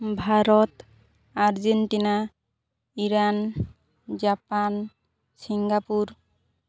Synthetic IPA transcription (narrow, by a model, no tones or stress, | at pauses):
bʱaɾɔt̪ | aɾzenʈina | iɾan | d͡ʒapan | siŋɡapuɾ